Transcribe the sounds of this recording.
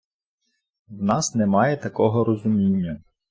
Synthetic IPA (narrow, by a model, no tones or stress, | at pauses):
wnɑsnɛmɑjɛt̪ɐkɔɦɔɾɔzʊmʲinʲːɐ